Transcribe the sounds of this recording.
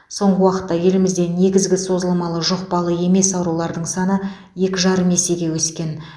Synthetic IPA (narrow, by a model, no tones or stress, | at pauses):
so̞ɴʁəwɑqə̥t̪ːɑje̞lɪmɪzd̪e̞ne̞ɡʲɪzɡʲɪso̞zəlˠmɑlˠəʒoqbɑlˠəe̞me̞sɑwɾulˠɑɾd̪əɴsɑnə | je̞kʲɪʒɑɾəme̞se̞ɡʲe̞wɵskʲe̞n